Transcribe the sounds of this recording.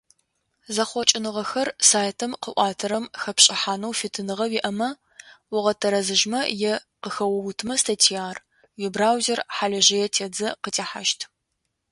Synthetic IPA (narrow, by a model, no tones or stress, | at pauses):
zɐχʷɔt͡ʃʼɪnɨʁɐxɐrsaːjtʰɐmqəʔʷɑːtʰɐɾɐmxɐpɕʼɪħaːnɐwfɪtʰɨnɨʁɐwiʔɐmɐ | wʊʁɐtʰɐɾɐzɨʒmɐjɛ | qəxɐwɐwʊtʰɨmɐstʰɐtʰijaːr | wɛbraːwzerħaɮɐʒɐjɛtʰeːd͡zɐqətʼeːħa̰ʃtʰ